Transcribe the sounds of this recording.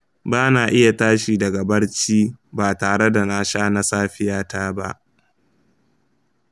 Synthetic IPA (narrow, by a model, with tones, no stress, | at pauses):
baː˦naː˨ʔɪ˦ja˨taː˦ʃi˨dɐ˨ɡɐ˨bɐ˦ɽt͡ʃiː˦baː˨taː˨ɽe˦da˨na˦ʃaː˦na˦saː˦ɸɪ˦jaː˦taː˦ba̰˦ʔ